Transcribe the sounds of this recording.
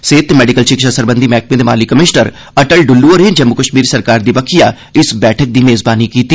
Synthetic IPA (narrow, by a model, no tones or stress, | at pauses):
seːt̪mɛːɖɪkəlʃɪkʃasəɾbənd̪iːmɛːk̚mẽːd̪ema̰ːlikːəmɪʃnəɾ | əʈəlɖʊlːuəɾẽnd͡ʒəmːʊkəʃmiːɾsəɾkaːɾd̪iːbəkʰijaː | ɪsbɛːʈʰək̚d̪iːmeːzbaːniːkiːt̪iː